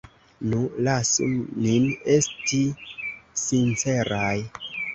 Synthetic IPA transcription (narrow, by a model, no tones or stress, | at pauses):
nulasṵninesti | sint͡se̞ɾaj